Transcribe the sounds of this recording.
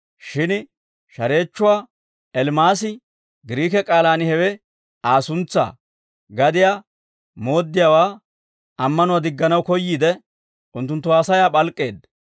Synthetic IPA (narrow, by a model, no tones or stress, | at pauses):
ʃɪn | ʃɐɾe̞ːt͡ʃːʊwaː | ɛlmaːsɪ | ɡɪɾiːkɛkʼaːlaːnɪhɛwɛ | aːsʊnt͡sːa̰ː | ɡɐd̪ɪjaː | mo̞ːd̪ːɪjaːwaː | ɐmːɐnʊwaːd̪ɪɡːɐnɐwkɔjːiːd̪ɛ | ʔʊnt̪ːʊnt̪ːʊaːsɐjaːɓʼɐlkʼːe̞ːd̪